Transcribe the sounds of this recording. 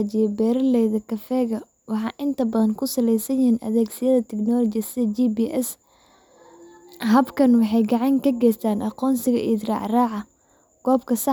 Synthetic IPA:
t͡ʃɪjɛbɛːɾɐlɛjðɐkʰɐfɛːɣɐ | wɑħɑ̰ːʔɪnt̪ʰɐbɐðɐŋkʰʊsɐlɛjsɐjɪhiːnʔɐ̰ðɛːɡsɪjɐðɐt̪ʰɛknɔːlɔt͡ʃɪjɐsɪðɐd͡ʒibiːʔɛs | ɦɐbkʰɐnwɑħɑjɡɑʕɑŋkʰɐɡɛːjst̪ʰaːnʔɑqɔːnsɪɣɐ̰ʔid̪rɑ̰ːʕraːʕɑ | ɡ̥ɔːbkʰɐsɑ

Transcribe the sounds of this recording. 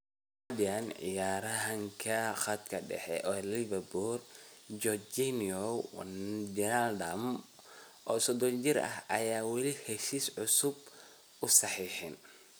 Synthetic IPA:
ad̪ɪɐnʕɪ̰jaːɾɐɦɐŋkʰɐxɐd̪kʰɐɖɛ̰ħɛ̰ʔɔːlɪβɐburd͡ʒɔd͡ʒinɔ | d͡ʒɛnald̪ɐm | ʔɔːsɔd̪ɔnt͡ʃɪɾɐ̰hɐjaːwɛlɪhɛʃiːsʕʊsʊb | ʊsɑħiːħɪn

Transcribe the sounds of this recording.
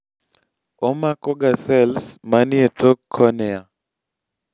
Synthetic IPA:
ɔmakɔɡasɛlsmanjetokʰːɔnɛa

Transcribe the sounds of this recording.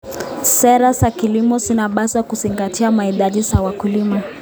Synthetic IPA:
sɛɾasakilimɔsinaɓasakuziŋɡatiamaiɗaʄisawakulima

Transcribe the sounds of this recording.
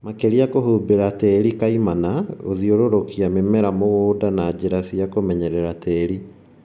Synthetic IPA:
makeɾiakohubeɾatɛɾikaimanaoðioɾoɾokiamemɛɾamoɣoːdanad͡ʑeɾasiakomɛɲɛɾɛɾatɛɾi

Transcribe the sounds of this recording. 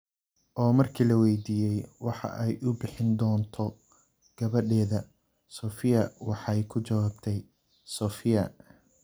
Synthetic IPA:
ʔɔːmɐrkʰiːlɐwɛjd̪iːjɛjwɑħɑ̰ʔɛjʔʊbɪħɪnd̪ɔːnt̪ʰɔ | ɡ̥ɐβɐɖɛːðɐ | sɔːfɪjɐwɑħɑjkʰʊt͡ʃɐwaːbt̪ʰɛj | sɔːfɪjɐ

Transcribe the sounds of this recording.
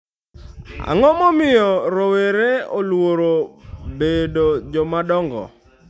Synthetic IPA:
a̰ŋɔmɔmɪjɔɾoweɾeolwoɾobedod͡ʒɔmadɔŋɡɔ̰

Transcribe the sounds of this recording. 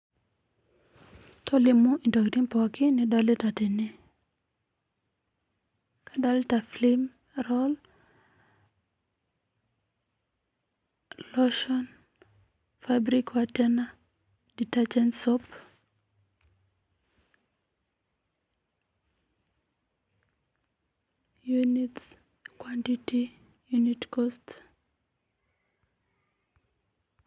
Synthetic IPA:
tʰɔlɪmoʔintoktimpɔkɪnɪdɔlɪtateni | kʰadɔltaflɪm | rɔl | lɔʃɔn | fabɾikwatɛna | ditad͡ʒɛnsɔp | junit | kwantiti | junitkɔst

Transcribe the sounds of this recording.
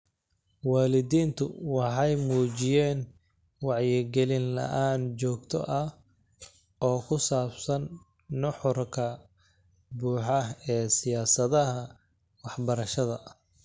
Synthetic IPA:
waːlɪðiːnt̪ʰʊ̰wɑħɑjmuːt͡ʃɪjɛːn | wɑʕjɪɡɛlɪnlɐ̰ʔaːnt͡ʃɔːɡt̪ʰɔ̰ʔɐ | ɔːkʰʊsaːbsɐnː | ʊħʊrkʰɐ | buːħɑɛːsɪjaːsɐðɐɦɐ | wɑħbɐɾɐʃɐðɐ̰

